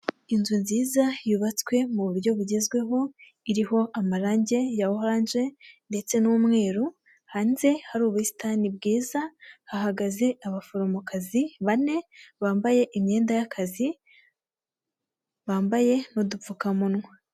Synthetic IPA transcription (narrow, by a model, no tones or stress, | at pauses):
inzunziːzajuβat͡skwe̞muβuɾɟo̞βuɟe̞zɡwe̞ɦo̞ | iɾiho̞ʔamaɾaːɲɟe̞jawohoɾaːɲʒe̞nde̞t͡se̞numŋe̞ːɾu | haːnze̞haɾuːβuisi̥tanibɡiːzahaɦaɡaze̞ʔaβafoɾomokaziβane̞βaːmbaje̞ʔimɲe̞ːndajakʰazi | βaːmbaje̞nodufukamunŋwa